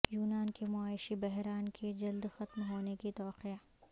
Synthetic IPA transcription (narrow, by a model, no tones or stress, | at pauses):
juːnaːnkemʊaːɪʃibɛɦɾaːnkʰed͡ʒɐld̪xɐt̪mɦoːnekit̪ɔːqijaː